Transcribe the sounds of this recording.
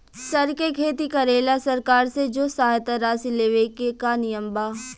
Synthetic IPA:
sɐɾkekʰeːt̪ikɐɾeːlasɐɾkaːɾsed͡ʒoːsaːjt̪aɾaːsileːʋekekanɪjəmbaː

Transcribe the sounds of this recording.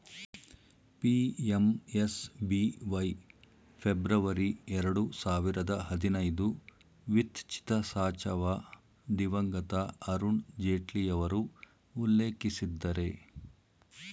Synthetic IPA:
piemesbiʋɐj | pʰebɾɐʋɐɾiɛɾɐɽusaːʋiɾɐd̪ɐɦɐd̪inɐjd̪u | ʋit̪t͡ʃʰi̥t̪ɐsaːt͡ʃɐʋa | d̪iʋɐŋɡɐt̪ɐɐɾuɳd͡ʒeːʈlijɐʋɐɾuː | lːeːkisid̪ːɐɾe̞

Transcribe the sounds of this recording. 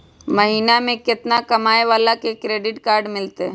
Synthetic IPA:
mɐɦiːnamẽkɪt̪nakɐmaːeʋaːlakekɾeːɖɪʈkaːɾɖmɪlt̪e

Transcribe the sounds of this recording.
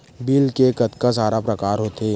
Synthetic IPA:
biːlkekɐt̪kasaːɾapɾɐkaːɾɦoːt̪eː

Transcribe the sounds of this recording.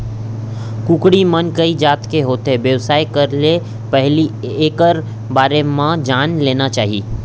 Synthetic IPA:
kukɽimənkəid͡ʒaːt̪keɦoːt̪eʋjəʋsaːekəɾle | pəɦli | eːkəɾ | baːɾemãd͡ʒaːnleːnat͡ʃaːɦḭː

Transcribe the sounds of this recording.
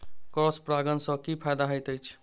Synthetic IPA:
kɔɾspɾaɡənsə̃kipʰajd̪aɦəjt̪əjt͡ʃʰ

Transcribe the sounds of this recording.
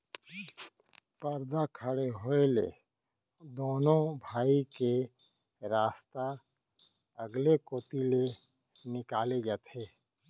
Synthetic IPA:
pəɾd̪akʰəɽeɦoelḛ | d̪oːnõbʱaːike | ɾaːst̪a | əɡlekoːt̪ile | nɪkaːled͡ʒaːt̪ʰeː

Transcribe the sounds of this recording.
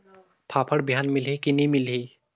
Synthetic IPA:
pʰaːpʰəɽbʱijaːnmɪlɦikinĩmɪlɦi

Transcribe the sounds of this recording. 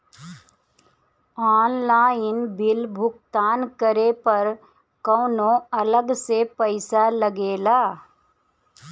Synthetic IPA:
aːnlaːjɪnbɪlbʱʊkt̪aːnkəɾepɐɾ | kɔːnõɐləɡsepəɪsaləɡeːlaː

